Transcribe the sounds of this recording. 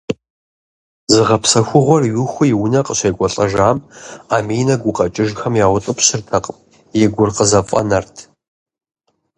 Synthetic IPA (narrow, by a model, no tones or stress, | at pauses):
zɨʁɐpsɐxʷʊʁʷɔrɥɪxʷʊjɪwʊnɐqəɕʷɐjɡʷɔɬʼɐʒaːmaːmiːjnɐɡʷʊqʼɐt͡ʃʼɪʒxɐmjaːwʊtʼɨpɕɪrtʰɐqʼəm | jɛɡʷʊrqəzɐfʼɐ̰nɐrtʰ